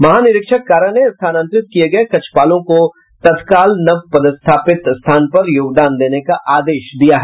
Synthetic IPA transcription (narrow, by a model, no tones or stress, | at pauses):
mɐɦaːnɪɾɪkʃəkːaːɾənest̪ʰaːnə̃nt̪ɾɪt̪̚kieɡɐekɐt͡ʃʰpaːlõko | t̪ɐt̪kaːlnɐʋpɐd̪ɪst̪ʰaːpɪt̪st̪ʰaːnpɐɾjoːɡd̪aːnd̪eːnekaʔaːd̪eːʃd̪ijaɦɛː